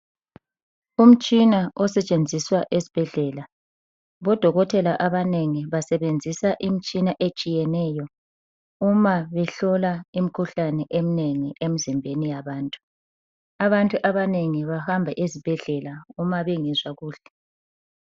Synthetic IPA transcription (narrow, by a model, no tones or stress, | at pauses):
um̩t͡ʃʼinaɔsɛt͡ʃʼend͡zʱiswaʔesi̥b̥ʱɛɮɛːla | βɔd̥ʱɔɣɔtʰɛlaʔaβaneŋiβasɛβend͡zʱisaʔim̩t͡ʃʼinaʔet͡ʃʼijɛnɛːjɔ | umaβɛɬɔlaim̩kʰuɬanɛʔem̩neŋiʔem̩zimbʱenijaβaːntʼu̥ | aβantʼuʔaβaneŋiβahambʱaʔezib̥ʱɛɮɛlaumaβeŋizwaɣuːɬɛ